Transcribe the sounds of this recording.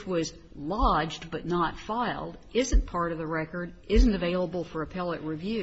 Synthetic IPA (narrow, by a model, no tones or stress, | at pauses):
t͡ʃwʌz | lɑd͡ʒbʌtⁿnətfaɪlˠdɪzɨ̃npʰɑɹɾʌvðɨɹɛkə˞ɾʔɪz̃n̩tɨveɪlˠəbl̩ˠfə˞ɨpʰɛlˠəʔ̚ɹivjʉ